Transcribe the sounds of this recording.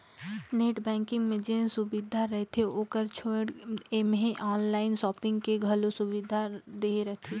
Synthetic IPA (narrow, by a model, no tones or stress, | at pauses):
neːʈbɛ̃ːŋkɪ̃ŋɡmẽd͡ʒẽsʊbɪd̪ʱaɾɛɦt̪ʰeoːkəɾt͡ʃʰoːɽemẽʔɔːnlaːɪnsɔːpɪ̃ŋɡkeɡʱəlosʊʋɪd̪ʱad̪eɾɛɦt̪ʰe